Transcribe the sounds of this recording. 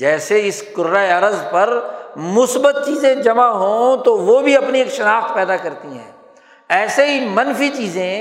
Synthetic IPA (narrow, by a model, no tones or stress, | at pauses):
d͡ʒɛːseɪskʊɾːaːeɐɾəzpɐɾmʊsbət̪̚t͡ʃiːzẽd͡ʒɐmaɦõːt̪oʋoːbʱiɐpnieːkʃɐnaːxt̪pɛːd̪akɐɾt̪iɦɛ̰̃ː | ɛːseɦimɐnfit͡ʃiːzẽ